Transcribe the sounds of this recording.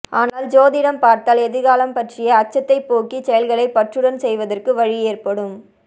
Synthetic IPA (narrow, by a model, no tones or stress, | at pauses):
ʔaːnaːld͡ʒoːðɪɽɐmpaːɾt̪aːlɛðɯɣaːlɐmpɐʈrɪjɐːt͡ʃːɐt̪ːɐɪpːoːkit͡ʃɛjɐlɣɐɭɐɪpːɐʈrɯɽɐnsɛjʋɐðɐrkɯʋɐɻɪeːrpɐɽɯm